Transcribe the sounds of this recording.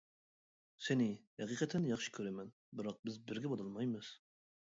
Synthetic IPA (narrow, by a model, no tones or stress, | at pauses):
senɪhɛqʰiqʰɛt̪ʰɛnjɑχʃi̥kʲʰøɾɛmɛn | bɨɾɑq̚bɪzbɪɾɡʲɛbɑd̪ɑlˠmɑjmɨz̥